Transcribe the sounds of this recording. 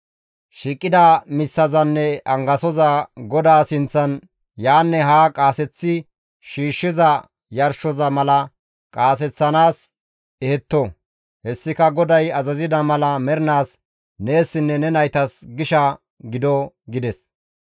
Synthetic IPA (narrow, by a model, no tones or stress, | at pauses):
ʃiːkʼːɪd̪ɐmɪsːɐzɐnːɛʔɐŋɡɐsɔzɐɡɔd̪aːsɪnt͡sːɐn | jaːnːɛɦaːkʼaːsɛt͡sːɪ | ʃiːʃːɪzɐ | jɐɾʃɔzɐmɐlɐ | kʼaːs̬ɛt͡sːɐnaːs | ɛhɛt̪ːɔ | hɛsːɪkɐɡɔd̪ɐjɐzɐzɪd̪ɐmɐlɐmɛɾɪnaːs | ne̞ːsːɪnːɛnɛnɐjt̪ɐsɡɪʃɐ | ɡɪd̪ɔ | ɡɪd̪ɛs